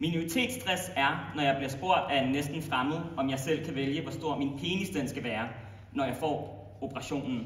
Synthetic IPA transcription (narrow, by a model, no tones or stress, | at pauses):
minoit͡sʰe̝̰ːd̥sd̥ʁasæɐnɒjɑɪb̥liɐsb̥o̝ɐ̰d̥æenːesd̥n̩fʁamð̩ˠɒ̽mjɑ̈ɪsel̰kʰæʋeljəʋɒsd̥o̝ɐ̰minpʰe̝ːnisd̥en̰sɡ̥æʋæːɐ | nɒjɑ̈ɪfɒ̰ː | o̝pʰəʁɑ̈ɕo̝̰ːnn̩